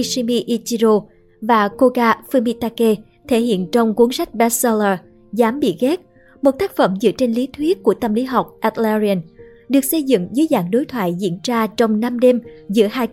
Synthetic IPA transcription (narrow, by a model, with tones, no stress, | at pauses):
si˧mi˧ʔi˧t͡ɕi˧zo˧ | vaː˨˩ko˧ɣaː˧fɨ˧mi˧t̪aː˧ke˧ | t̪ʰe˧˩hḭ˧˨ənt͡ɕɔ˧wŋ͡mku˨˦nsa˦˥k̟̚ɓɛ˨˦sə˧ləː˧ | zaː˨˦mɓḭ˧˨ɣɛ˦˥t̚ | mo˨˩t̚t̪aː˦˥k̚fə˧˩mzɨ̰˧˥ət͡ɕe˧nli˨˦t̪ʰwi˦˥ət̚ku˧˩ət̪ə˧mli˨˦ɦa˨˩wk͡p̚ʔa˧˥t̪̚lɛ˧zi˧ə˧n | ɗɨ˨˩ək̚sə˧jzɨ̰˧˨ŋzɨː˨˦jzaː˧˩ŋɗo˨˦jt̪ʰwa̰ː˧˨jzḭ˧˥ənt͡ɕaː˧t͡ɕɔ˧wŋ͡mna˧mɗe˧mzɨ̰˧˥əhaː˧j